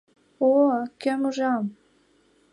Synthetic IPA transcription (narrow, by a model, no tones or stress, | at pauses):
okømuʒɑm